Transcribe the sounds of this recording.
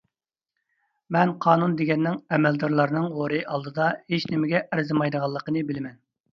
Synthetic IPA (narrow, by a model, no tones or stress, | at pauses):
mɛnqʰɑːnund̪eɡʲɛnːɪŋɛmɛld̪ɑɾlˠɑɾnɨŋʁoɾɨʔɑlˠd̪ɨd̪ɑhet͡ʃnɪmɪɡʲɛʔæɾzɨmɑjd̪əʁɑlˠːəqənɨbɪlɪmɛn